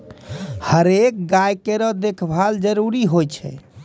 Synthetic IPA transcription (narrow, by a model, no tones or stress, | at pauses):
həɾek̚ɡajkeɾɔd̪ekʰbʱald͡ʒəɾuɾiɦojt͡ʃʰɛ̰